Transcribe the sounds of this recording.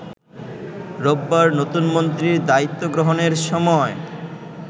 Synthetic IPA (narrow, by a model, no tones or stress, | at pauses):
ɾobːaɾnot̪unmont̪ɾiɾd̪ait̪ːoɡɾoɦoneɾʃɔmɔe